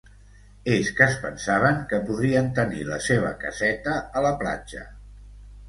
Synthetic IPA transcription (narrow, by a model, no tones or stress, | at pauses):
eskəspənsaβ̞əŋkəpuðɾiənt̪ənḭləseβ̞ə̰kə̰zɛt̪əːləpla̰d͡ʒə̰